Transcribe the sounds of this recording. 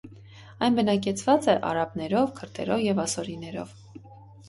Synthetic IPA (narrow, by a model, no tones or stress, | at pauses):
ɑjnbənɑkɛt͡sʰvɑt͡sɛʔɑ̰ɾɑpnɛɾɔvkʰəɾt̪ʰɛ̰ɾɔvjɛvɑsɔɾinɛɾɔ̰v